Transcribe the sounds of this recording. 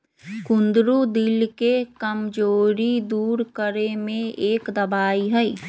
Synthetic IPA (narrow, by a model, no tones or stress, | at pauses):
kʊ̃nd̪ɾud̪ɪlkekəmd͡ʒoːɾid̪uːɾkəɾemẽeːkd̪ɐbaːiɦɛi